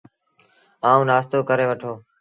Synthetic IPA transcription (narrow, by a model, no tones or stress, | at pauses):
aːũːnaːst̪oːkəɾeːʋəʈʰoː